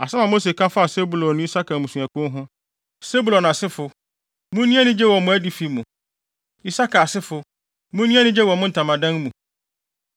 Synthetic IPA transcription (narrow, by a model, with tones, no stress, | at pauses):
a˨sɛ˦ã˨mo˦se˨kʰã˦fʊ˦a˨se˦bu˨lɔ̃˨nːʊ̃˦i˦sa˦kʰa˨mũ˨sũ˨ɛ˨kʊ̃˦ɦʊ̃˦ | se˦bu˨lɔ̃˨nã˨sɪ˦fʊ˨ | mũ˦nĩ˦ɛ˦nɪ̃˦d͡ʑɛ˦wɔ˨mʊ̃˨æ˦di˨fi˦mũ˨ | i˦sa˦kʰa˨a˨sɪ˦fʊ˨ | mũ˦nĩ˦ɛ˦nɪ̃˦d͡ʑɛ˦wɔ˨mʊ̃˦n̩˨tʰã˨mã˨dã˦n˦mũ˨